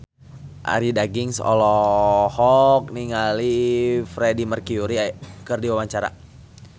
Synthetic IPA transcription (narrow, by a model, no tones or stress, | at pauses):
ʔa̰ɾidaɡɪŋsɔ̰lɔhɔk̚niŋalifɾedimərkiuɾiajkərdiwawaɲt͡ʃaɾa̰